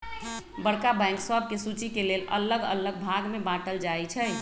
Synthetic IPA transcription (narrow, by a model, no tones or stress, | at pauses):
bəɽkabãŋksəb̚ʱkesut͡ʃikelelə̰ləɡə̰ləɡ̚bʱaɡmebãʈəld͡ʒajt͡ʃʰɛj